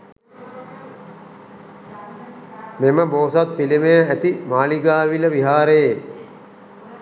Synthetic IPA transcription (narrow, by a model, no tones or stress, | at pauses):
meməboːsat̪̚pilimejəæt̪imaːliɡaːʋiləʋiɦaːɾeje